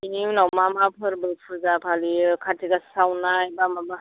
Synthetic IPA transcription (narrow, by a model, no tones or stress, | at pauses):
ininawmamapʰɯɾbɯpʰuɾzapʰalikʰatʰiɡasawnajbamaba